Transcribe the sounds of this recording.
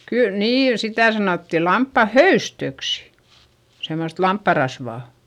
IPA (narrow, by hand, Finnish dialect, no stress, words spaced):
kyl niːn sitæˑ sɑnoˑtːi lɑmpːɑ høystøksi̥ semːost lɑmpːɑ rɑsʋɑˑ